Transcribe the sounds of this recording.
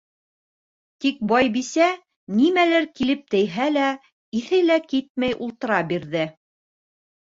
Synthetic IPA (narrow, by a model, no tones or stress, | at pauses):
t̪ik̚bɑjbisæ | nimælɘɾkilɘp̚t̪ɘ̆jɦælæ | iθɘlækit̪̚mæjʔulˠt̪ɤ̆ɾɑbiɾðɘ